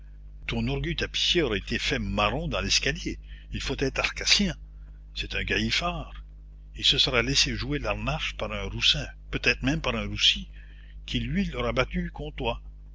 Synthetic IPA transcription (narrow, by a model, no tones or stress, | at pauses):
t̪ɔ̃nɔʁɡyt̪api̥sjeɔʁaet̪efɛmaʁɔ̃d̪ɑ̃lɛskaljeilfot̪ɛːt̪ʁaʁkasjɛ̃ | sɛt̪ɛ̃ɡajifaːʁ | ilsəsəʁalɛseʒuelaʁnaʃpaʁœ̃ʁusɛ̃pøt̪ɛːt̪χmɛ̃mpaʁɛ̃ʁusi | kʲʰilɥilɔʁabat̪ykɔ̃t̪wa